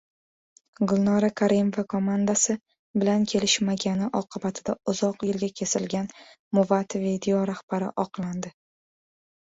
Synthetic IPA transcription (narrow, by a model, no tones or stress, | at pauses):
ɡʊlˠnɒɾakʰaɾʔimvakʰomand̪asɪ | bɪlankʲʰe̞lɪʃmaɡʲanɪʔɒqʰɨbat̪ʰɪd̪aʊzɒqjɪlɡʲakʲʰe̞sɪlɡʲan | mʊvat̪vid̪eoɾahb̥aɾɪ̰ʔɒqlˠand̪ɪ